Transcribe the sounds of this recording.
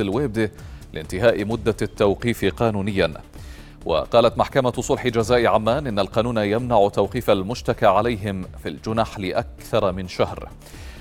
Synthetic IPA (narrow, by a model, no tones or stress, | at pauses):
ɪlweːb̚d̪ɪlʔɪnt̪ɪɦaːʔɪmʊd̪ːat̪ːawqiːfqɑːnuːnɪjːan | wʔa̰qɑːlat̪maħkamasˤʊlħɪd͡ʒazaːʔɪʕamːaːnʔɪnːalqɑːnuːnajamnaʕʊt̪ːawqiːfalmʊʃt̪akaʕalajɦɪmfild͡ʒʊnaħlɪʔak̚θɑɾˤmɪnʃahɾ